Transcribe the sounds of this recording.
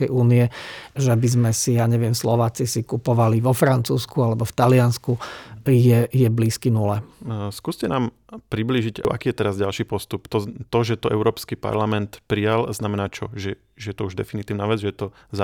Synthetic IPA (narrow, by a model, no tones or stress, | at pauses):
kɛjuːniɛʒɛbizmɛsijaːɲɛʋɪɛmslɔʋaːt͡sisikupɔʋaliʋɔfɾant͡suːskualɛbɔft̪alɪanskujɛjɛbliːskinulɛskuːscɛnaːm | pɾibliːʒiɟaʔa̰kiːjɛt̪ɛɾazɟalʃiːpɔst̪upt̪ɔt̪ɔʒɛt̪ɔʔɛ̰ʊɾɔːpskipa̰ɾlamɛnt̪pɾijalznamɛnaːt͡ʃɔʒɛ | ʒɛjɛt̪ɔuʒd̪ɛ̰finit̪iːʊnaːʋɛd͡zʒɛjɛt̪ɔ | z